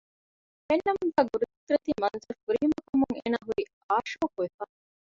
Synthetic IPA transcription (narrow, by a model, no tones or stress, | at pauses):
enːɐmuŋɡæːɡuɾut̪ut̪uɾet̪iːmɐnzɐɾfuɾiːmɐkɐmuŋḛːnaːɦuɾi | aːʃoːkuʋefaː